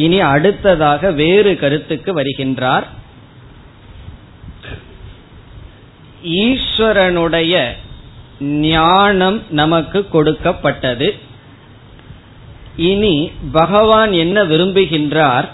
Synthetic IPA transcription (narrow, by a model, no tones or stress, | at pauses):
ɪniɐɽɯt̪ːɐðaːɣɐʋeːɾɯkɐɾɯt̪ːɯkːɯʋɐɾɯɣɪndraːɾ | iːʂʋɐɾɐnɯɽɐjɐ | nɪjaːɳɐmnɐmɐkːɯkːɔɽɯkːɐpːɐʈːɐðɯ | ɪnibɐɣɐʋaːnɛnːɐʋɪɾɯmbɯɣɪndraːɾ